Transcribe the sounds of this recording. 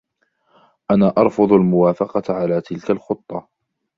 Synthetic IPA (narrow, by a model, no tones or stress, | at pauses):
ʔanaːʔɑɾˤfʊðˤalmʊwaːfɑqɑt̪ʕalaːt̪ɪlkalxʊt̪ˤːɑ